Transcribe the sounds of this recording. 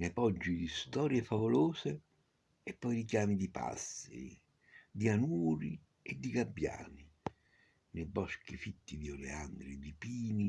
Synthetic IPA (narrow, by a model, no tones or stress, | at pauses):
nepɔd͡ʒːid̪ist̪ɔːɾjefavʊloːse | ɛpːɔjɾikjaːmid̪ipa̰sːɪ̰ɾḭ | d̪ianuːɾi | ɛd̪ːiɡabːja̰ːni | nebɔsk̟ifit̪ːid̪iɔlḛand̪ɾid̪ipiːni